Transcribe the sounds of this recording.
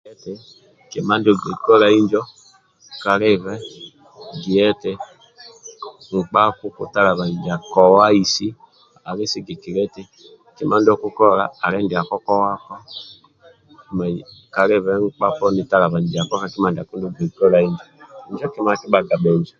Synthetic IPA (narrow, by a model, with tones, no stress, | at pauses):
ɛ˦tɛ˨ | ki˨ma˦ndo˦˨ɡe˨kɔ˦ɾa˦i˦ɲd͡ʒɔ˦ | ka˨ɾe˦βɛ˦ | ɡi˨ɛ˦tɛ˦ | ŋ̩˨k͡pa˦ku˦kṵ˦ta˦ɾa˨βa˨n˨di˨a˨kɔ˨wa˦i˦si˦ | a˨ɾe˦si˦ɡi˨ki˨ɾɛ˦tɛ˦ | ki˦ma˦ndɔ˦ku˦kɔ˦ɾa̰ː˨ɾɛ˦ndi˨a˨kɔ˦kɔ˦wa˦kɔ˦˨ | ma˨ka˨ɾe˦βɛ˦ŋ̩˦k͡pa˦pɔ˦ni˦˨ta˦ɾa˨βa˨n˨di˨a˨kɔ˦ɾa˦ki˦ma˦ndi˨a˨ku˦ndu˦˨ɡe˨kɔ˦ɾa˨i˦ɲd͡ʒɔ˨ɲd͡ʒɔ˦ki˦ma˦ki˦ɓa˨ɡa˨ɓɛ˨ɲd͡ʒɔ˨